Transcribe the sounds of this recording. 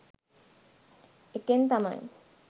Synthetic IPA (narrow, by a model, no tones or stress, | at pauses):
ekent̪ama̰ŋ